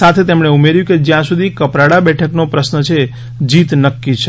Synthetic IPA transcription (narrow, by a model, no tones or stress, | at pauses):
at̪ʰet̪emɳ̃eumeɾjũked͡ʒjãsud̪ʱikəpɾaɽabɛʈʰəknopɾəsnət͡ʃʰe | d͡ʒit̪nəkːit͡ʃʰe